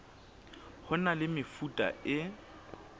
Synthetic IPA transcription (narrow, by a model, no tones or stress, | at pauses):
hʊnalɪmɪfutʼa̰ɪ